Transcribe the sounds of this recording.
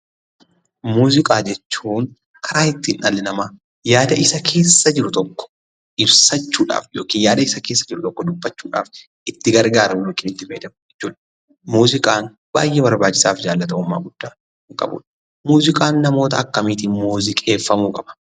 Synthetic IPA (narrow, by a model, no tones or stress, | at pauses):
muːzɪkʼaːd͡ʒɛt͡ʃːuːŋ | kʰɐɾaːɪt̪ːiːnʔɐlɪnɐmaː | jaːd̪ɐʔɪsɐkʰe̞ːsːɐd͡ʒɪɾʊt̪ɔkːɔ̥ | ʔɪbsɐt͡ʃːuːᶑa̰ːfjoːkiːnjaːd̪ɐɪsɐke̞ːsːɐd͡ʒɪɾʊt̪ɔkːɔd̪ʊbːɐt͡ʃːuːᶑa̰ːf | ɪt̪ːɪɡɐɾɡaːɾɐmjoːkiːnɪt̪ːɪfɐd̪ɐmɪt͡ʃːuːᶑ | muːzɪkʼaːn | ba̰ːjʔɛbɐɾbaːt͡ʃːɪsaːfd͡ʒaːlːɐt̪ɐʊmːa̰ːɡʊd̪̥ːaː | ɪŋkʼɐ̰bṵːᶑɐ̥ | muːzɪkʼaːnːɐmo̞ːt̪ɐːkːɐmiːt̪ɪːnmuːzɪkʼe̞ːfːɐmuːkʼɐb̥ɐ̥